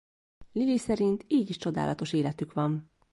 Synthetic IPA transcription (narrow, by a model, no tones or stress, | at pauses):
lilisɛɾint̪iːɟiʃt͡ʃo̞d̪a̰ːlʔɒt̪o̞ʃeːlɛt̪ykʋɒm